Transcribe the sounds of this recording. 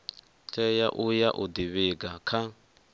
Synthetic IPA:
t͡ɬʰʼɛjaʔujaʔud̪iβɪɡakʰa

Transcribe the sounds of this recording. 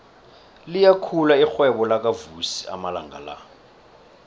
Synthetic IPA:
lijakʰulaik͡xwɛɓɔlak̬ʼavusi̥a̰mala̰ŋɡa̰la̰

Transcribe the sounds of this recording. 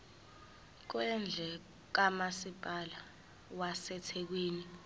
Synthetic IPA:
k̬wɛnd͡ɮʱɛ | k̬amasipʼala | wasɛtʰɛk̬wiːni

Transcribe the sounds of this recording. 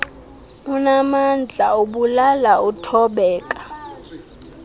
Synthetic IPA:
unamand͡ɮʱaoɓulalautʰɔɓɛːkʼḁ

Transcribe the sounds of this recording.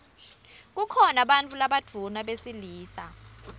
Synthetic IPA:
k̬ukʰɔnaɓant͡fʰʼulaɓad̥ʱunaɓesiliːsa

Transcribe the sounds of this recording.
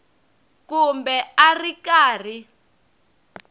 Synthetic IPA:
kumbɛarikaːr̤i

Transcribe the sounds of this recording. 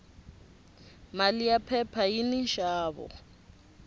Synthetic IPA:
malijapʰɛpʰaininʃaːβɔ̰

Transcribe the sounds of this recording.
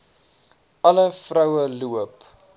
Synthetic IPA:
ʔɐləfrɐwəluəp

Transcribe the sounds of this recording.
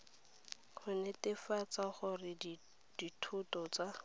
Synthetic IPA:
χʊnɛtɪfat͡saχʊrɪ | d̥itʰʊtɔt͡sa

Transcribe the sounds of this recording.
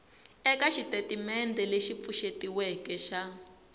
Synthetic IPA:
ɛkaʃitetimɛndɛleʃip̪fuʃetiwɛkɛʃa

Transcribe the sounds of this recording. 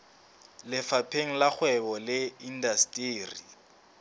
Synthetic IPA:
lɪfapʰeŋ̩lak͡xwɛbɔlɪindastʼiːri

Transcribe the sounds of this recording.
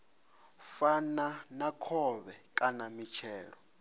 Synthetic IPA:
fananakʰɔβɛkʼanamit͡ʃʰɛːɺɔ

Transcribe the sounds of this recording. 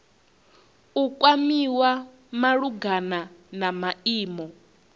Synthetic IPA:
ukʼwamiwa | maɺuɡananamaiːmɔ

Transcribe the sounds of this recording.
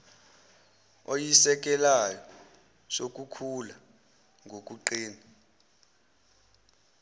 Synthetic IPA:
ojisɛk̬ʼɛlajɔ | sok̬ʼukʰula | ŋʱok̬ʼuǃeːni

